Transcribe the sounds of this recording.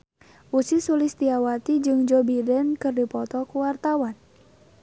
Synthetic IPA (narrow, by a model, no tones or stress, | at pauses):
ʔusisulɪst̪iawat̪id͡ʒɨŋd͡ʒɔbidɛnkɨrdipɔt̪ɔkuwart̪awan